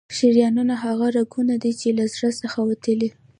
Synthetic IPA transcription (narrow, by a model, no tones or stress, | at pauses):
ʃiɾjɑnunaɦaɣaɾaɡunad̪it͡ʃelazɾasəxawat̪əli